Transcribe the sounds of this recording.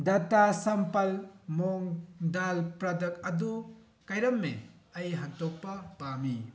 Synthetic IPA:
datasɐmpɐlmoŋdalpɾadɐk̚ɐdu | kajɾɐmːḛ | ɐjɦantok̚pɐpami

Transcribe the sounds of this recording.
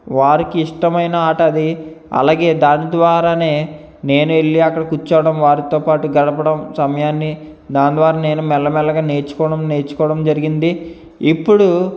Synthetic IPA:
ʋaːɾikiiʂʈɐmɐjnɐaːʈɐd̪iɐ̰laːɡe̞ːd̪aːnid̪ʋaːɾaːne̞ː | ne̞ːnueɭːiɐkːɐɽɐkut͡ʃːaːʋɐɽɐmʋaːɾit̪o̞ːpaːʈuɡɐɽɐpɐɽɐmsɐmɐjaːnːi | d̪aːnd̪ʋaːɾaːne̞ːnumɛlːɐmɛlɐɡaːne̞ːɾt͡ʃu̥kɔːɽɐmne̞ːɾt͡ʃu̥kɔːɽɐmd͡ʒɐɾiɡind̪i | ipːuɽu

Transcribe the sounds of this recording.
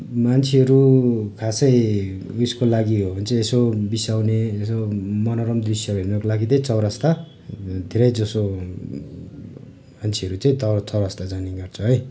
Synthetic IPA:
mant͡sʰeʌɾukʰasʌj | uskolaɡiɦobʌnt͡sʌĩesobisawneːsomʌnʌɾʌmd̪risjʌbenokolaɡitʌĩt͡sʌwɾʌst̪a | d̪ʱeɾʌjd͡zʌso | mant͡sʰeʌɾut͡saĩt̪ʌt͡sʌwɾʌst̪ad͡zaniɡʌrt͡sʰʌɦʌj

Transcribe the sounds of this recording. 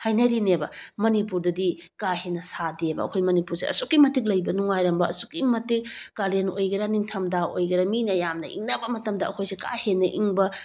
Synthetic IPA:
hajnɐɾinebɐ̰mɐnipuɾdɐdikahenɐsadebɐ̰ɐkʰojmɐnipuɾseɐ̰sukːimɐtik̬̚lɐjbɐnuŋajɾɐmbɐːsukːimɐtik̚kaɾenojɡɐɾaniŋtʰɐmdaojɡɐɾaminɐjamnɐ̰ʔḭŋnɐbɐmɐtɐmdɐɐkʰojseka̰henɐʔiŋbɐ

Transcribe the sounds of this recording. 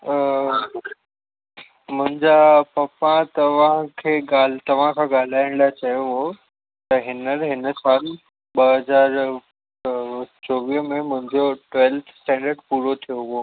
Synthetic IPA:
ə | mʊ̃ɦɪ̃ɲd͡ʑapɐpãt̪ɐʋ̤ãkʰeːɡaːlt̪ɐʋ̤ãkʰãɡaːl̤aːɪəɽ̃d̪at͡ɕɐjoɦo | t̪ɐɦɪnəɾɦɪnəsaːl | ɓɐɦɐzaːɾ | t͡ɕoːʋiɦmẽmʊ̃ɦɪ̃ɲd͡ʑoʈwɛːlt̪ʰsʈɛ̃ːɳɖəɾɖpuːɾot̪ʰijoɦʊo

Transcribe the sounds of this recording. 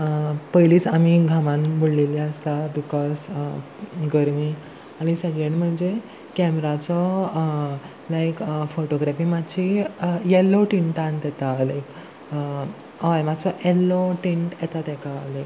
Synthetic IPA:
pəjliːt͡samiɡʱamãnbuɽleliəst̪abikɔs | ɡəɾmiː | aɽ̃isəɡeɳm̤əɳd͡ze | kɛmɾat͡sɔ | lajkfoʈoɡɾafiːmaɕijɛlːoʈiɳʈãnt̪jɛt̪alajk | ajmad̪t͡sɔʔelːoʈĩɳʈjɛt̪at̪ɛkalajk

